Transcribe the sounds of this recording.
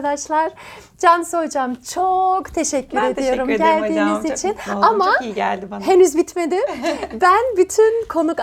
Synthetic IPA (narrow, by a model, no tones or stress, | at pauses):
ad̪aʃlˠaɾ̥d͡ʒanso̞d͡ʒamt͡ʃʰokt̪ʰe̞ʃɛcːyɾe̞d̪ijo̞ɾumdɟælʲd̪iːmizit͡ʃʰinamaæld̪ihenyzbit̪me̞d̪imbænbyt̪ʰynkʰo̞nuk